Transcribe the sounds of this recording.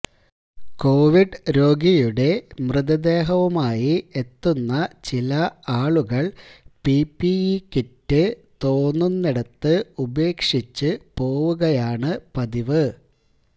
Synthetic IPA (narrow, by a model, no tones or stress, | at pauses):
ko̞ːʋiɖɾo̞ːɡijuɽe̞mrɨðɐd̪e̞ːɦɐʋɐmaːjiet̪ːunːɐt͡ɕilɐaːɭuɣɐɭpipːiikitːɨt̪o̞ːnːunːiɽɐt̪ːɨube̞ːkʂit͡ɕːɨpo̞ːʋuɣɐjaːɳɨpɐðiʋɨ